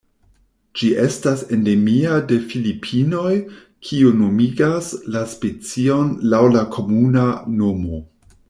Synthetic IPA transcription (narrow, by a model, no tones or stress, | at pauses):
d͡ʒiʔe̞stase̞nde̞miade̞filipʰino̞j | kʰiuno̞miɡaslaspe̞t͡sio̞nlawlakʰo̞munano̞mo̞